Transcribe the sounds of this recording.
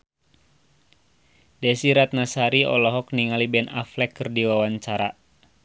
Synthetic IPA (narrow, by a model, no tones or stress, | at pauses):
dɛsiɾat̪̚nasaɾiɔ̰lɔɦɔk̚niŋalibɛna̰flɛkːərdiwawaɲt͡ʃaɾa